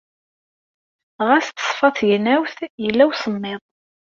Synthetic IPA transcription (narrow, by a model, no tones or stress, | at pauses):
ʁæst̪sˤfɑθjənæwθjəlːæwsəmːɪðˤ